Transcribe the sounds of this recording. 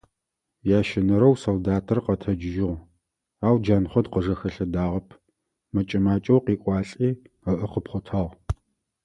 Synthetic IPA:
jaːʃɪnɐɾɐwsoldaːtʰɐrqɐtʰɐd͡ʒʒɪʁ | aːwd͡ʒaːnχʷɔdqəʒɐxɐɬɐdaːʁɐpʰ | mɐt͡ʃʼɐmaːt͡ʃʼɐwqiːkʷʼɑːɬʼiː | ɐʔəqəpχʷʊtʰɐːʁ

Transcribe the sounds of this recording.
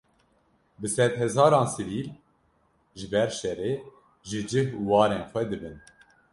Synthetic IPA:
bɨsɛd̪hɛzɑːɾɑːnsɨviːl | ʒɨbɛɾʃɛreː | ʒɨd͡ʒɨhuwɑːɾeːnxʷɛd̪ɨbɨn

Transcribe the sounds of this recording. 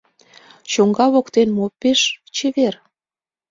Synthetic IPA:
t͡ɕoŋɡɑβokt̪enmopeʃt͡ɕeβer

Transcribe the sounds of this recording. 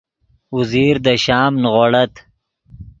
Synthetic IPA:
uziːɾd̪əɕɑːmnʁoɽɐt̪

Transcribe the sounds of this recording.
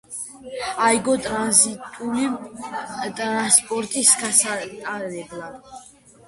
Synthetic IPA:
ajɡɔt̪ʼɾanzit̪ʼuli | t̪ʼɾanspʼɔɾt̪ʼisɡasat̪ʼaɾɛblad̪

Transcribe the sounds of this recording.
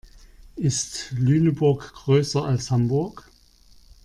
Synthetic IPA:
ʔɪstlyːnəbʊɐkɡ̥ʁøːsɐʔalshambʊɐk

